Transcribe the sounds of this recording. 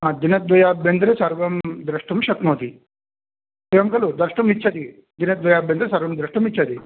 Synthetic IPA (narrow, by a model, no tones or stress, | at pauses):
ɦãd̪inet̪̚d̪ɔjabend̪ɾesaɾʋɐmd̪ɾəʂʈumɕɐk̪mɦot̪iː | t̪eʋamkɐlod̪ɾəɾʂʈumit̪ːɕʰat̪iː | d̪inɐt̪d̪ʋojabend̪ɾesaɾʋɐmd̪ɾəʂʈumitːt͡ɕʰat̪iː